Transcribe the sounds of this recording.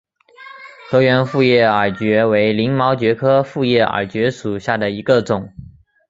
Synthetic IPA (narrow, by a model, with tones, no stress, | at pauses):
xɤ˧˥ɥɛ˧˥nfu˥˧jɛ˥˩ə˞˨˩t͡ɕɥɛ˧˥we˧˥ɪli˧˥ŋmɑ˧˥ʊt͡ɕɥɛ˧˥kʰɤ˥fu˥˧jɛ˥˩ə̰˨˩t͡ɕɥɛ˧˥ʂu˨˩ɕja˥˩d̪ə˩i˧˥ɡə˧ʈ͡ʂʊ˨˩˦ŋ